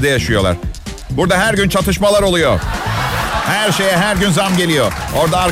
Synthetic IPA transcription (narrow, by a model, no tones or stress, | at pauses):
d̪ɛjaʃɯjo̞lˠa̰ɾ̥ | buɾd̪aɦæɾɟynt͡ʃʰat̪ʰɯʃmalˠaɾo̞lˠujo̰ | hæɾʃe̞jɛɦæɾɟynzamɟe̞lʲijooɾd̪aːɾ